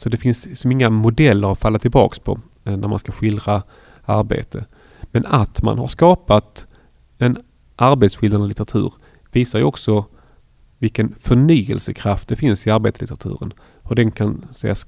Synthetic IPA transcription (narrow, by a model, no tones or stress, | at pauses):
sɔd̪ɛfɪnssɔmɪŋːamʊd̪ɛlːəɾafalːat̪ʰːɪlbɑ̰ːkspʰɔ̰ | næɾma̰nskaɧɪld̪ɾa | a̰ɾbḛːt̪ʰə | mɛnat̪ma̰nha̰ʂkɑːpat̪ | ɛn | ʔaɾbeːt̪sɧɪld̪anəlɪt̪əɾat̪ʰʉ̟̰ːɾ | viːsaɾjəɔksɔ | vɪlkənfœɳyːəlsəkʰɾaft̪̚d̪ɛfɪnsɪaɾbeːt̪slɪt̪əɾat̪ʰʉ̟̰ːɾə̰n | hɵɖɛnkʰansɛjas